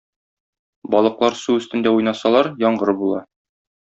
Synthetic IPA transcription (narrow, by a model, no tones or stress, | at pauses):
bɒlˠɤ̆qlˠɑɾsuɘ̆st̪ɘ̆nd̪æujnɑsɑlˠɑɾjɒɴɢɤɾɤbulˠɑ